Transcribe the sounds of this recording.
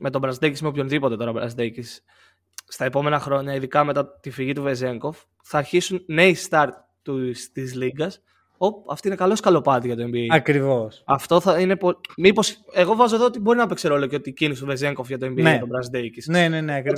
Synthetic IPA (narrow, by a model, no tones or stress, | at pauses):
me̞t̪o̞bɾɐzd̪ecismeopço̞nðipo̞t̪e̞t̪o̞ɾɐbɾɐ̰zd̪ecisː | t̪ɐe̞po̞me̞nɐxɾo̞ɲɐiðikɐme̞t̪ɐt̪ifiʝit̪uve̞ze̞ŋko̞f | θɐːɾçisunne̞ist̪ɐɾt̪ː | ust̪izliɡɐs | o̞pɐ̰ft̪oine̞kɐlo̞skɐlo̞pɐt̪iʝɐt̪oe̞mbiɐkɾivosɐft̪o̞θɐine̞pomipo̞se̞ɣo̞vɐzo̞ðoot̪ibo̞ɾinɐɐpekse̞ɾolo̞ceot̪icinist̪ove̞ze̞ŋko̞fʝɐt̪oembieet̪obɾɐzd̪ecisneneneɐkɾi